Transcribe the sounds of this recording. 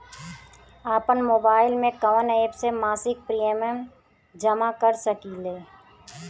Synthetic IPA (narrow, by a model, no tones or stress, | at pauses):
aːpənmoːbaːɪlmẽkəʋəneːbsemaːsɪk̚pɾieːmɛm | d͡ʒəmakəɾsəkileː